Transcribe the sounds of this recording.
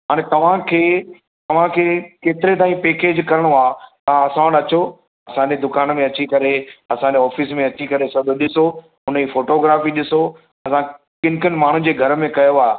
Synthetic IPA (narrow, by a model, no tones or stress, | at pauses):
ɦaːɽ̃et̪ɐʋ̤ãkʰeː | t̪ɐʋ̤ãkʰeːkeːt̪ɪɾet̪aːĩpeːkeːd͡ʑkɐɾɪɽ̃oaːt̪ɐɦãɐsãɗɐt͡ɕo | ɐsãɲd͡ʑed̪ʊkaːnmẽɐt͡ɕikɐɾeɐsãɲd͡ʑeɔːfismẽɐt͡ɕikɐɾesɐbʱoɗɪso | ʊnifoːʈoːɡɾaːfiɗɪso | ɐsã | kɪ̃nkənɪ̆maːɳ̤ũd͡ʑeːɡʱɐɾmẽkɐjoaːɦe